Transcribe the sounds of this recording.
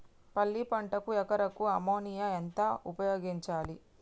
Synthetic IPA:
pɐlːipɐɳʈɐkuɛkɐɾɐkuɐmoːnijɐent̪ɐupɐjoːɡiɲt͡ʃaːli

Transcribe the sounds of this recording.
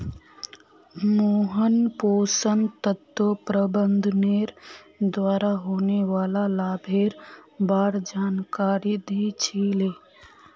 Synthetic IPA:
moːɦənpoːsənt̪ət̪opɾəbə̃nd̪ʱneːɾd̪waːɾaɦoːneʋaːlalaːbʱeːɾbaːɾd͡ʒaːnkaːɾid̪ʱit͡ʃʰiːleː

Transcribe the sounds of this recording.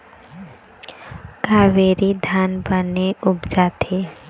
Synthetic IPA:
kaːʋeːɾid̪ʱaːnbəneʊbd͡ʒaːt̪ʰe

